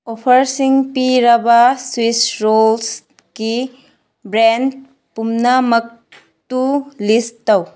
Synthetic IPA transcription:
opʰɐɾsiŋpiɾɐbɐswisɾols | ki | bɾen̚ | pumnɐmɐk̚ | tulistːɐw

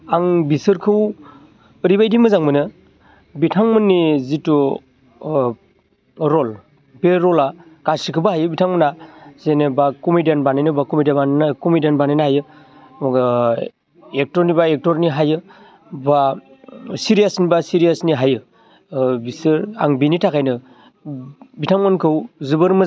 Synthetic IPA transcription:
aŋbisɯɾkʰɯw | əɾibajdimɯzaŋmɯnɯ | bitʰaŋmɯnːizitɔ | ɾɔl | beɾɔlakasikʰɯbaɦajɯbitʰaŋmɯnazenebakɔmidenbanajnɯbakɔmidabannakɔmidenbanajnaɦajɯ | ek̚tɔɾnibaek̚tɔɾniɦajɯ | ba | siɾijasnibasiɾijasniɦajɯ | bisɯɾa̰ŋbinitʰakʰajnɯ | bitʰaŋmɯnkʰɯwzɯbɯɾmɯ

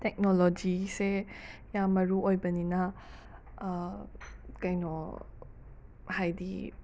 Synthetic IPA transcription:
tɛk̚nolod͡ʒisejamɐɾuojbɐninɐ | kajnɔ | hajdḭ

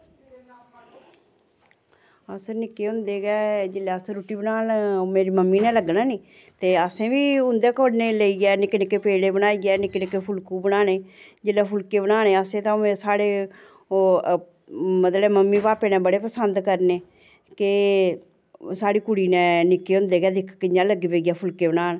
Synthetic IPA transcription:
əsəɾnɪkːeːɦʊ̃nd̪eːɡɛːd͡ʒɪlɛːəsəɾuːʈiːbnaːnːmeːɾiːməmːiːnɛ̃ːləɡnaːniː | t̪eːəsẽːʋiːʊnd̪eːkoːɽneːləiːɡɛːnɪkːnekːeːpeːleːbəñaːiːɡɛːnɪkːnɪkeːpʰʊlkuːbənaːñeːd͡ʒɪlɛːpʰʊlkeːbənaːñeːəsẽːt̪ãːẽsaːɽeː | mət̪lɛːməmːĩːpaːpeːnɛ̃ːbəɽeːpəsənd̪kəɾneː | kɪ | saːɽiːkʊɽiːnɛ̃ːnɪkːeːɦʊ̃nd̪eːɡɛːd̪ɪkʰkɪãːləɡeːbeiɡɛːpʰʊlkeːbənaːn

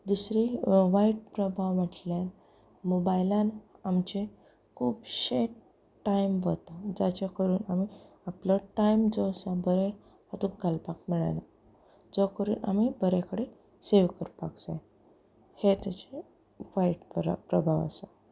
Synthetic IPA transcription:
d̪usɾiʋaiʈ̚pɾəbʱaʋʋaʈljan | mobajlãnamt͡ɕe | kʰuːpɕe | ʈːajmʋət̪ad͡ʑat͡ɕakəɾuːnami | apləʈaimd͡zɔsabəɾe | at̪uɡʱalpak̚miɭa̰na | d͡zɔkəɾṵːna̰mibəɾekəɽe | seʋkəɾpaɡd͡zaj | het̪jat͡ɕe | ʋajiʈpɾ̰pɾəbʱaʋə̰sa

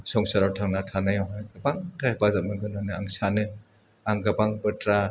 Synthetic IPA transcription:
sɔŋsaɾawtʰaŋnatʰanajaɦajɡabaŋtʰabazap̚mɯɡɯnɔnɯaŋsanɯ | aŋɡabaŋbɯtɾa

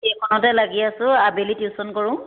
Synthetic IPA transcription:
ekʰɔnɔtɛlaɡiasʊ̃abelitjusɔnkɔɹʊ̃

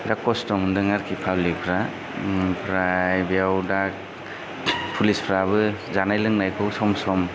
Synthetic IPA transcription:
dakɔstɔmndɯŋaɾkʰipʰawlipʰɾa | pʰɾajbijawdak̚ | pʰulispʰɾabɯzanajlɯŋnajkʰɔwsɔmsɔm

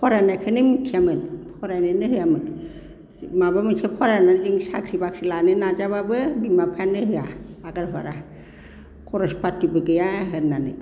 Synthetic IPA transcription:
pʰɔɾanakʰɯnimikʰijamɯnpʰɔɾanɯnɯɾɯjamɯn | mabamɯkʰapʰɔɾananziŋsa̰kʰɾibakʰɾilanɯnazababɯbimapʰanɯɾɯjaaɡaɾɦɔ̰ɾa | kɔɾɔspatːibɯɡɯjaɦɯɾnanɯ̰

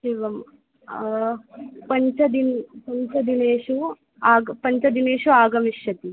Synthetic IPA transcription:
ʃiːʋɐm | pɐɲt͡ʃɐd̪inpɐɲt͡ʃɐd̪ineːʃu | aːɡpɐɲt͡ʃɐd̪ineːʃuaːɡɐmiʃjɐt̪i

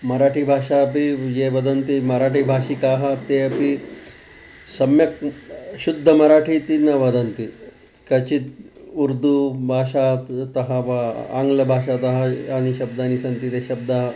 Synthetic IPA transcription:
mɐɾaːʈʰibʱaːʂapijeʋɐd̪ɐnt̪imɐɾaːʈʰibʱaːʃikaːɦɐt̪eɐpi | sɐmjɐk̚ɕud̪ʱːɐmɐɾaːʈʰit̪inɐʋɐd̪ɐnt̪i | kɐt͡ʃit̪ | uɾd̪ubʱaːʃat̪ɐɦaʋaa̰ːŋɡlɐbʱaːʃat̪ɐɦajaːniɕɐb̚d̪aːnisɐnt̪it̪eɕɐb̚d̪aɦɐ

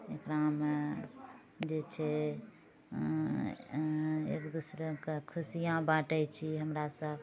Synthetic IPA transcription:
ekɾame | d͡ʒet͡ʃʰɛ | ḛkd̪usɾekekʰusijãbaʈəjt͡ʃʰiɦəmɾasəb

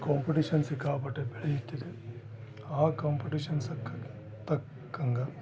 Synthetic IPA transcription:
kaːmpɐʈiʂɐnsikaːpɐʈːebeɭejit̪ːid̪e | aːkaːmpɐʈiʂɐnsɐkː | t̪ɐkː | ɐŋɡɐ

